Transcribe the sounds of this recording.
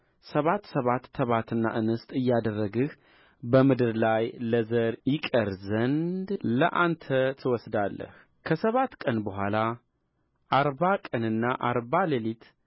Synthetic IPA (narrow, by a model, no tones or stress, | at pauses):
səβat̪ːsəβat̪ːʰəβat̪ɨnːa̰ʔɨnɨst̪ʼɨjːad̪ərːəɡɨh | bəmɨd̪ɨɾlajləzəɾjɪkʼəɾzənd̪lə̰ʔant̪ʰət̪ʰɨwɔsd̪alːə̰h | kʰəsəβat̪kʼənbəɦʷala | ʔaɾβakʼənɨnːaʔaɾβaləlit̪